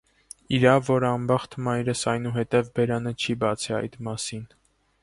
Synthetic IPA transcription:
iɾɑvɔɾəɑmbɑχt̪ʰmɑjɾəsɑjnuɦɛt̪ɛvbɛɾɑnət͡ʃʰibɑt͡sʰɛɑ̰jt̪mɑsin

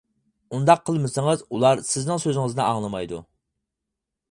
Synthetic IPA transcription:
und̪ɑqʰːəlˠmɨsɨŋəzulˠɑɾsɪznɪŋsøzɪŋɨznɛɑŋlˠɨmɑjd̪ṵ

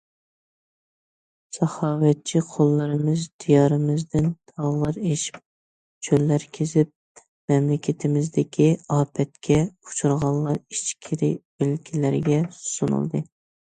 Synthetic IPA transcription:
sɑhɑːwɛt̚t͡ʃʰiqʰolˠːɨɾɨmɨzd̪ijɑːɾɨmɨzd̪ɪnt̪ʰɑʁlˠɑɾeʃi̥p̚ | t͡ʃʰølːæɾkʲʰezɪp̚ | mɛmlɪkʲʰɪt̪ʰɪmɪzd̪ɪkʲʰiɑːpʰɛt̪kʲʰɛu̥t͡ʃʰuɾʁɑlˠlːˠɑɾit͡ʃkʲʰiɾɪ | ølkʲʰilɪɾɪɡʲɛsu̥sunɨ̰lˠd̪ɨ̰

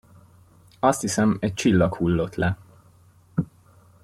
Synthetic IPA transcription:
ɒst̪hisɛmɛc̚t͡ʃilːɒkhulːo̞t̪lɛ

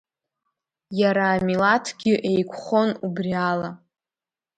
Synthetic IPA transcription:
jaɾaːmilatʰɡʲɪʔejkʷʰχonubriala

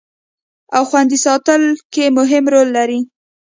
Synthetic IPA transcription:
awxwand̪isɑt̪əlkemʊɦɪmɾolːaɾi

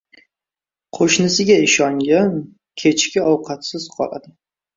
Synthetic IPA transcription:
qʰoʃnɪsɪɡʲaɪʃɒŋɡʲan | kʲʰet͡ʃkʲɪʔɒwqʰɑt̪sɪz̥qʰɒ̰lˠa̰d̪ɪ

